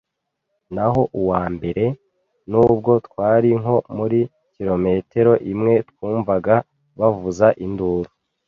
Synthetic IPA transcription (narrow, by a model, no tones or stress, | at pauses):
naɦo̞ʔuwaːmbe̞ɾe̞ | nuːb̚ɡo̞tkwaːɾiŋɦo̞muɾi | ciɾo̞me̞te̞ɾo̞ʔimŋe̞twuːɱvaɡa | βavuzaʔinduɾu